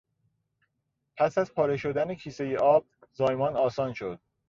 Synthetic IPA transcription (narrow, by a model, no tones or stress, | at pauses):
pʰæsæzpʰɒːɾe̞ʃo̞d̪ænecʰiːsejeʔɒːb̥̚zɒːjmɒːnɒːsɒːnʃod̪̥̚